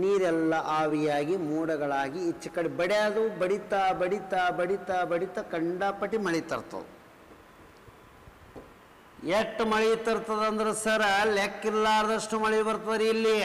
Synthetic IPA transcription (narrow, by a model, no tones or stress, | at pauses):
niːɾɛlːɐʔaːʋijaːɡimuːɽɐɡɐɭaːɡiːt͡ʃːɐkːɐɽibɐɽejad̪ubɐɽit̪aːbɐɽit̪aːbɐɽit̪aːbɐɽit̪ɐkɐɳɖaːpɐʈːimɐɭijt̪ɐ̰ɾt̪ɐ̰d̪u | eʈːmɐɭɐjut̪ːɐɾt̪ːɐd̪ɐnd̪ɐɾusɐɾɐlekːilːaːɾɐd̪ɐʂʈumɐɭɐjubɐɾt̪ɐd̪ɐɾiːlːi